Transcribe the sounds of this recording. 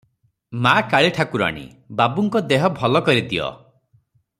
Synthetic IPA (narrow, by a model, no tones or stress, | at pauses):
makaɭiʈʰakuɾa̰ɽ̃ḭ | babuŋkɔd̪eɦɔbʱɔlɔkɔɾit̪ʰiɔ̰